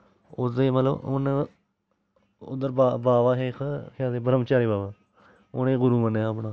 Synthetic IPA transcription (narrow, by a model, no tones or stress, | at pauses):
ʊ̰sd̪eːmət̪ləbʊ̰n | ʊ̰d̪əɾbabaːʋaːɦeːkʰkʰãːd̪eːbəɾəmt͡ʃaːɾiːbaːbaː | ʊ̰nẽːɡʊɾuːmənːaːəpɳaː